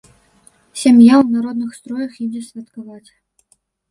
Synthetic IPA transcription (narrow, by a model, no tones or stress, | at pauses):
sʲamjawnaɾɔd̪nɨxst̪ɾɔjɐxid͡zʲɛsʲvʲat̪kavat͡sʲ